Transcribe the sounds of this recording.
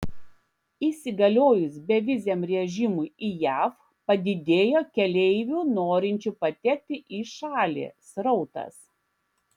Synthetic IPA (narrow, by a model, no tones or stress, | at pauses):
iˑsʲɪɡɐlʲoːjʊsbʲɛʋʲɪzʲɛmɾʲɛʒʲɪmʊɪijæːf | pɐd̪ʲɪd̪ʲeːjoːkʲɛlʲɛɪʋʲuːnoːɾʲɪnʲt͡ʃʲuˑpɐt̪ʲɛk̚ʲt̪ʲɪʔiːʃɑːlʲḛːsɾɔʊt̪ɐ̰s